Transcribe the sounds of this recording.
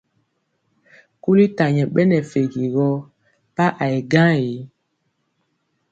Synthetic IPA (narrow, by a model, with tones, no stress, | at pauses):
ku˦li˦ta˨ɲɛ̃˨ɓɛ˦nɛ˨fe˨ɡi˨ɣɔ˦ | pa˦ʔa˨e˨ɡã˦je˨˦